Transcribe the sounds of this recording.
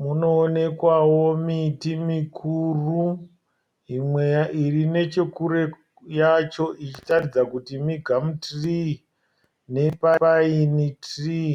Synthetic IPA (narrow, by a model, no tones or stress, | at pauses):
muno̞ːne̞kwawomitimikʰuru | imwejaʔirine̞t͡ʃe̞kuɾe̞ | jat͡ʃo̞ʔit͡ʃi̥tarid͡zakutimiɡʱamutri | ne̞paainitri